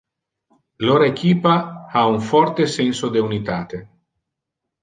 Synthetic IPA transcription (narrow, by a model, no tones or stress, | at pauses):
loɾekiːpaauɱfɔrt̪esɛnsod̪eunit̪aːt̪e